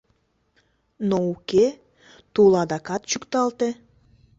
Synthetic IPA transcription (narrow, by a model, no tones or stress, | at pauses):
nouke | t̪ulɑd̪ɑkɑt̪̚t͡ɕukt̪ɑlt̪e